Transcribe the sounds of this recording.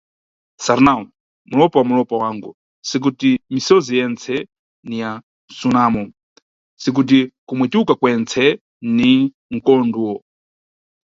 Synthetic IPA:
saɾnau | mulɔpawamulɔpawaŋɡu | sik̬utimisɔzijɛnt͡sʰɛ | nija | n̩sunamɔ | sik̬ut̬ikumwɛtukakwɛnt͡sʰɛ | ni | ŋ̩kɔnduwɔ

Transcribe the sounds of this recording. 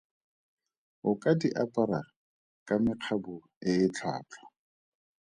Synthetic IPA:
ʊkʼadiʔapʼaɾa̰ | kʼamɪq͡χʰabʊ | ɪɪt͡ɬʰa̰ːt͡ɬʰɔ̥

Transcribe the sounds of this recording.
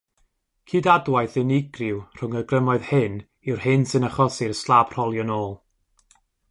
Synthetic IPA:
kʰiːdadwajθɪnɪɡrɪwr̥ʊŋərɡrəmɔɨð̥hɪn | ɪwrhɪnsɨnaχɔsɪrslˠab̥r̥ɔlˠjɔnoːlˠ

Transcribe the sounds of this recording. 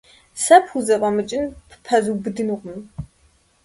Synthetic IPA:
sɐpʰxuzɐqʼɐmɨt͡ʃʼɪnpʰpʰɐzubɨdɨnuqʷm

